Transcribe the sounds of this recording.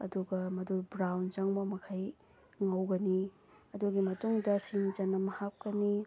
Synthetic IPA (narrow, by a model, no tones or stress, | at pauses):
ɐ̰duɡɐmɐdubɾawnt͡ʃaŋbɐmɐkʰaj | ŋɐwɡɐni | ɐduɡimɐtuŋdɐsiŋd͡ʒɐnːɐmɐhap̚kɐni